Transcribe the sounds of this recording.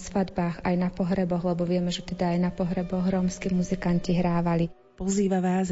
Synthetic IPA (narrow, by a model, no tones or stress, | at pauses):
sʋad̪baːɣajnapɔɦɾɛbɔɣlɛbɔʋɪɛmɛʒɛt̪ɛd̪aːjnapɔɦɾɛbɔɣɾɔmskimuzikanciɦɾaːʋali | pɔziːʋaʋaːz